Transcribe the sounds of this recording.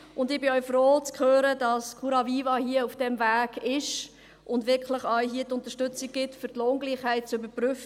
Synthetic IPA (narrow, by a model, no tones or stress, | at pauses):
ʊndɪbɪœʏfroːt͡skχøːɾədɑskʰuɾɑviːvɑhiəufd̥ɛmvæːɡ̥ɪʃ | ʔʊndʋɪɾkʰləχœʏɦiːətʊnt̪əʃtʏt͡sik̚ɡ̥ɪtfəɾtloːŋɡliːχhæɪt̚t͡søbəpryfə